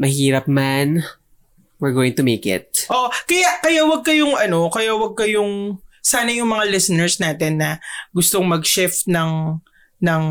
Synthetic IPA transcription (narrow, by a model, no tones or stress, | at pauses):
mɐhiːɾɐp̚man | wɪɹɡoːwɪ̃ŋt̪ʊmejkɪ̰t̪̚ʔoʔkɐjaʔkɐjawɐɡ̚kɐjoŋʔɐno̞kɐjawɐɡ̚kɐjoŋsaːnɐjʊŋmɐŋalɪsɛnɛɹsnaːt̪ɛnːɐɡʊst̪oŋmɐɡ̚ʃɪft̪̚nɐŋ | nɐŋ